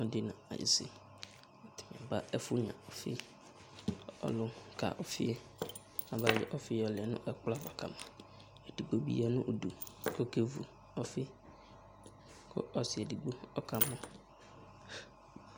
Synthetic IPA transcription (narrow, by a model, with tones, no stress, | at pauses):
ɔ˦dɪ˦nã˨a̰˨ʔḭ˨sḭ˦ | ɔ˨t̪ʰɪ̥˨mɛ̃˨ba˦ɛ˦fʊ˦ɲã̰˨ɔ˨fɪ̰˦ | ɔ̰˦lʊ˦kʰa̰˨ʔɔ˨fɪ˦ɛ˦ | a˨ba˦jɪ̰˦ʔɔ˦fɪ˦ɔ˨lɛ˨nʊ̰̃˦ʔɛ˦k͡pla˦˨va˨ka˨mã˨ | ɛ˨di˨ɡ͡bo˦bḭ˦ɛ˦nʊ̰̃˦ʔo˨du˨ko˦ke˦vṵ˨ | ɔ˦fɪ˦ | kʰʊ̰˦ʔɔ˨sɪ˨ɛ˨di˨ɡ͡bo˦ɔ˦ka˨mɔ̃˦